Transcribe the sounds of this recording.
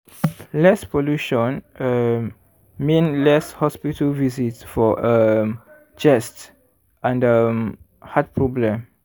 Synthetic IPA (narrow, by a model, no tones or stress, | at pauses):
lɛspoluʃɔ̃nə | mẽnlɛshɔspitəlvizitsfɔʔəm | d͡ʒɛst | ʔãndəm | hat̚pʰɹɔblɛ̃m